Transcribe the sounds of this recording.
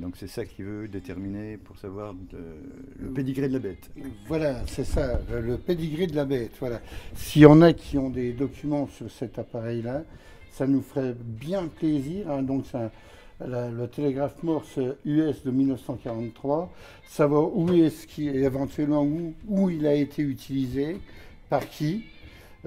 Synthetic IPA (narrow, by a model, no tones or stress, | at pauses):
d̪ɔ̃ksɛsakʲʰivød̪et̪ɛʁminepuʁsavwaʁə̰lə̰ped̪iɡʁed̪əlabɛt̪vwalasɛsaələped̪iɡʁed̪əlabɛt̪vwalasijɑ̃nakʲʰiɔ̃d̪ed̪ɔkʲymɑ̃syʁsɛt̪apaʁɛjla | sanufχɛbjɛ̃pleziʁɛ̃d̪ɔ̃ksa | lalət̪eleɡʁafmɔʁsəyɛsd̪əmilnəvsɑ̃kaʁɑ̃t̪t̪ːχwa | savwaʁuɛsə̥kʲʰieevɑ̃t̪ɥɛlmɑ̃uuilaet̪ʰeyt̪ʰilizepaʁkʲi